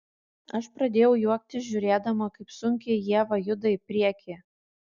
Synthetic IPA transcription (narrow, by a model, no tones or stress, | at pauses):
ɐʃpɾɐd̪ʲeːjɛʊjuɔk̚t̪ʲɪsʒʲʊɾʲeːd̪ɐmɐkɐɪpsʊŋʲkʲejiɛʋɐjʊd̪ɐɪpʲɾʲiɛkʲeː